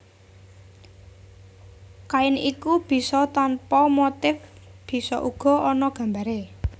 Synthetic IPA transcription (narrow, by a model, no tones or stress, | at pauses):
kaɪnikub̥i̤sɔt̪anpɔmot̪ɪf | b̥i̤sɔʔuɡ̥ɔ̤ʔɔnɔɡ̥ä̤mbaɾe